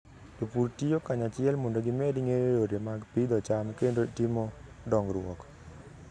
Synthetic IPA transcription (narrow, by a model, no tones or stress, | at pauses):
topuɾtijokaɲat͡ʃɪɛlmondoɡɪmɛdiŋeɾeɾoɾemaɡpid̪ɔt͡ʃamkendotimɔ | dɔŋɡɾwɔ̰k